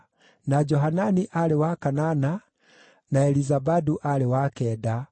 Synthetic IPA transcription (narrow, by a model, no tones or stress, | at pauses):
nad͡ʒɔɦananiʔalewakanana | naɛlizabaduʔaɾewakɛda